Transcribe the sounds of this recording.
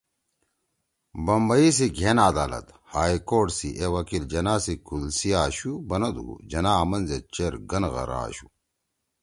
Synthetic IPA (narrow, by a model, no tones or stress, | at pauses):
bɐmbɐis̬iɡʱenaːd̪aːlɐ̰t̪haːjkoːʈsiʔewɐkild͡ʑɐnaːsikulsijaːɕubɐnɐd̪ṵd͡ʑɐnaːmɐnzet͡ɕeɾɡɐnɣɐ̰ɾa̰ːɕu